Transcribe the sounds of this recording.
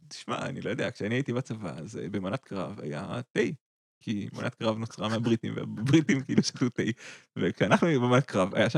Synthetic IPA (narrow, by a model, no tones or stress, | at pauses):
t̪i̥ʃma̰a̰nilo̞jode̞akʃeaniait̪ibat͡sava̰azḛbemonat̪̚kʁa̰va̰ja̰t̪ej | kʰimonʔat̪̚kʁavnot͡sʁameabʁitimvea̰bʁitimkiːluʃat̪ut̪ejvekʃeanaχnubemanat̪̚kʁava̰jaʃ